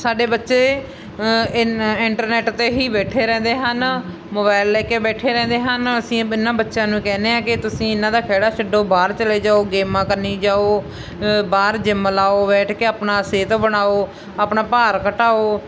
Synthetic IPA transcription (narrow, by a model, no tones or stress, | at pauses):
saːɖeːbətːʃeː | ɪɳʈəɾnɛːʈt̪eːɦiːbɛːʈʰeːɾɛ̃ːnd̪eːɦən | moːbaːɪlːɛːkeːbɛːʈʰeːɾɛ̃ːnd̪eːɦənəsĩːɪnːãːbətːʃãːnũːkɛːneːãːkɪt̪ʊsĩːɪnãːd̪aːkʰɛːɽaːt͡ʃʰəɖoːbaːɾt͡ʃəleːd͡ʒaːoːɡeːmãːkəɾniːd͡ʒaːoː | baːɾd͡ʒɪmlaːoːbɛːʈʰkeːaːpnaːseːt̪õːbəɽaːoː | aːpnaːpaːɾkəʈaːoː